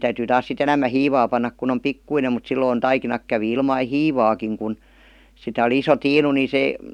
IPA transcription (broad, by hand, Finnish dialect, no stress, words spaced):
tæytyː tɑːs sit enæmːæ hiːʋɑː pɑnːɑk kun om pikːuinem mut silːoin tɑikinɑk kæʋi ilmɑi hiːʋɑːkiŋ kun sitæ oli iso tiːnu ni se